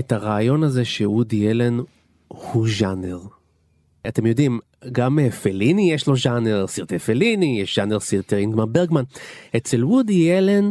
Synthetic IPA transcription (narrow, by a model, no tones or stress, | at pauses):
etaʁaːjo̞naze̞ʃeudijelen | huʒaneʁ | ʔate̞mjo̞dim | ɡamefelinijeʃlo̞ʒaneʁsiʁt̪efelinijeʃʒ̥aneʁsiʁt̪eʁinɡmanbeʁɡmanet͡selwudijelen